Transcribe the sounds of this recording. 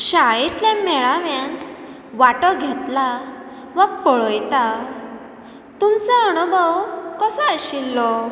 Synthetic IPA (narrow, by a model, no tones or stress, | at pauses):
ɕaɭit̪ljãmɛɭaʋjãnt̪ | ʋaʈɔɡʱet̪la | ʋək̚pəɭɔjt̪a | t̪umt͡səəɽ̃ubʱəwkəsaəɕilːɔ